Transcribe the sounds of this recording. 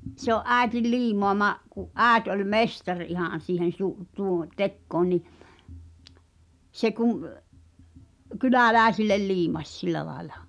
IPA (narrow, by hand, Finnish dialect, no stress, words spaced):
se oʔ ʔæˑi̞til liːmoɑmɑʔ kuʔ ʔæːet olʲ mestɑr ihɑˑn̞ siːhen̞ su tuː tekːoːn ni se kum kylæˑlæˑi̞silːel liːmɑsʲ silˑæ lɑi̞lɑ